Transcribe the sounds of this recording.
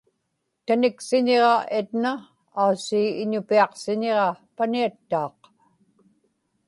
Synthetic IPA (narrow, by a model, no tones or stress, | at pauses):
t̪anɪksɪɲeʁɑet̪naː | usiːɪɲʊpiɑqsɪɲe̞ʁɑpaniat̪ːɑːq